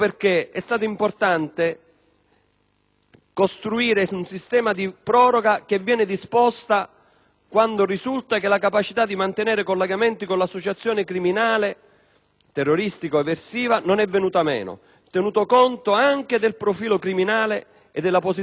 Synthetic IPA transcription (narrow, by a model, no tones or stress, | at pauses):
perk̟eɛst̪aːt̪̬ʊimport̪ant̪e | kost̪ɾuiːɾeunsist̪ɛːmad̪ipɾɔːɾoɡak̟evːjɛːnɪd̪ispɔst̪a | kwand̪orizult̪akelakapat͡ʃit̪ad̪ːimant̪enɛːɾekolːeɡament̪ikonlasːot͡ʃat̪sːjoːnekɾiminaːle | t̪erːoɾist̪ikoɛvːersiːvanonɛvːenuːt̪amɛ̰ːno̰ | t̪enuːt̪okont̪oaŋk̟ed̪elpɾofiːlokɾiminaːle | ed̪ːelːaposi